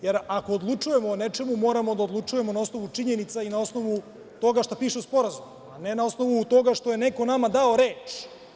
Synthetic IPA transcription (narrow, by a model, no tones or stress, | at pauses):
jeɾako̞ːd̪lˠut͡ʂuje̞monet͡ʃe̞mumo̞ːɾamo̞d̪aod̪lˠut͡ʂuje̞mo̞naosno̞ʋut͡ʂiɲe̞nit̪sainao̞sno̞ʋu | t̪o̞ɡaʃt̪apiːʃeuspo̞ɾazum | ane̞nao̞sno̞ʋut̪o̞ɡaʃt̪o̞je̞neko̞namad̪aoɾeːt͡ʃ